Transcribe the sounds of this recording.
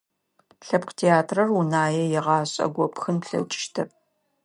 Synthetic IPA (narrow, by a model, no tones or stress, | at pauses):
ɬɐpqtʰeːaːtʰrɐrunaːjɛjɛʁɑːɕʼɐ̰ɡʷɔpxɨnpɬɐ̰t͡ʃʼɪ̥ʃtʰɐp̚